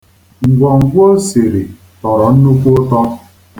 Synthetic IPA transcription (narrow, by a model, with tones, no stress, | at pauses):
ŋ̩˨ɡʷɔ˨ŋ̩˨ɡʷo˦se˨ɾi˨ | tɔ˨ɾɔ˨n̩˦nu˦kʷo˦tɔ˦